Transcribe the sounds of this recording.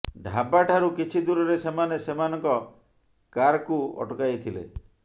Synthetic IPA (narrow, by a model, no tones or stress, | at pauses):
ɖʱabaʈʰaɾukit͡ʃʰid̪uɾɔɾesemanesemanɔŋkɔ | kaɾkuɔ̰ʈɔkajt̪ʰilḛ